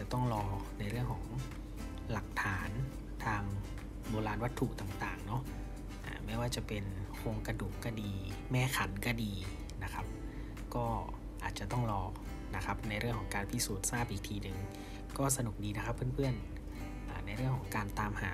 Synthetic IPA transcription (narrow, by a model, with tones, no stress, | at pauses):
a˨˩t̪ɔ˥˩ŋɾɔː˧na˧jɾɯ˥˩əŋkʰɔː˩˦ŋ | la˨˩k̚t̪ʰaː˩˦n | t̪ʰaː˧ŋ | boː˧laː˧nwa˦˥t̪ʰːu˨˩t̪aː˨˩ŋt̪aː˨˩ŋnɔ˦˥ʔ | ʔa̰ː˨˩mɛː˧˥˩waː˥˩t͡ɕa˨˩pe˧nkʰoː˧ŋka˧duː˨˩k̚kːa˧˥˩diː˧ | mɛː˧˩kʰa˩˦nka˧˩diː˧ | na˦˥kʰa˦˥p̚ | kɔː˥˩ | ʔaː˨˩t̪̚t͡ɕa˨˩t̪ɔ˥˩ŋɾɔː˧ | na˦˥kʰa˦˥p̚na˧jɾɯ˥˩əŋkʰɔ˩˦ŋkaː˧npʰi˦˥suː˨˩t̪̚saː˥˩p̚ʔiː˨˩k̚t̪ʰiː˧nɯ˨˩ŋ | kɔː˥˩sa˧nu˨˩k̚diː˧na˦˥kʰa˦˥pʰːɯ˥˨npʰɯ˥˩ən | ʔaː˨˩na˧jɾɯ˥˩əŋkʰɔː˩˦ŋkaː˧nt̪aː˧mhaː˨˩˦